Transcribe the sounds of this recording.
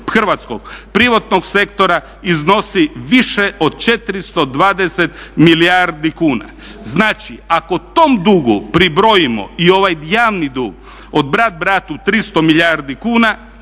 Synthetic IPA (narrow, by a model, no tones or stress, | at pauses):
xr̩ʋat̪sko̰ɡ̥pɾiʋat̪noɡse̞kt̪o̞ɾa | izno̞siʋiʃeʔo̞d̪̚t͡ʃet̪ɾist̪o̞d̪ʋaːd̪eset̪miliaɾd̪ikuːna̰ | znaːt͡ʃiako̞t̪omd̪uːɡṵpɾibɾo̞jimo̞̰io̞ʋajjaːʋnid̪uːɡ | od̪bɾaːd̪̚bɾat̪ut̪ɾist̪omiljaɾd̪ikuːna